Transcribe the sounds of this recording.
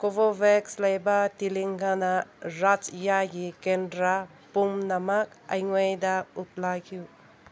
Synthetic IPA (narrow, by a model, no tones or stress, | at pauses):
kobobekslajbatiliŋɡanaɾat͡ʃjaɡikendɾa | pumnamak̚ajŋojdaut̚lakʰju